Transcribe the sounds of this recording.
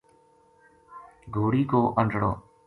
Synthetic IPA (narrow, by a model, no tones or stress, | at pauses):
ɡʱoːɽiːkoːʔəɳɖʱɽo̰ː